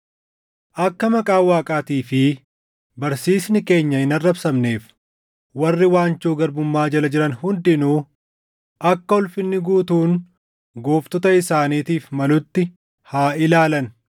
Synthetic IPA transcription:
ʔɐkːɐmɐkʼaːwaːkʼaːt̪iːfɪ | bɐɾsiːsnɪke̞ːɲːɐhɪnɐrːɐbsɐmne̞ːf | wɐrːɪwaːnt͡ʃuːɡɐɾbʊmːaːd͡ʒɐlɐd͡ʒɪɾɐnhʊnd̪ɪnuː | ʔɐkːɐɔlfɪnːɪɡuːt̪uːn | ɡoːft̪ɔt̪ɐɪsaːniːt̪iːfmɐlʊt̪ːɪ | haːʔɪlaːlɐn

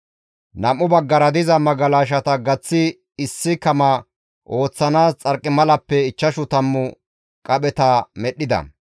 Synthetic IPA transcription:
nɐmːʊbɐɡːɐɾɐd̪ɪzɐmɐɡɐlaːʃ̬ɐt̪ɐɡɐt͡sːɪ | ɪsːɪkɐmɐ | ʔo̞ːt͡sːɐnaːst͡sʼɐɾkʼːɪmɐlɐpːɛɪt͡ʃːɐʃʊt̪ɐmːʊ | kʼɐɓɛt̪ɐmɛɗːɪd̪ɐ̰

